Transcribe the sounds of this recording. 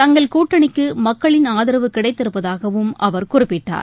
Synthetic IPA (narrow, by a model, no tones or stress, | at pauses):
t̪ɐŋɡɐɭkuːʈːɐɳɪkːɯmɐkːɐɭɪnaːðɪɾɐʋɯkɪɽɐɪt̪ːɪɾɯpːɐðaːɣɐʋɯmʔɐʋɐɾkʊrɪpːɪʈːa̰ːɾ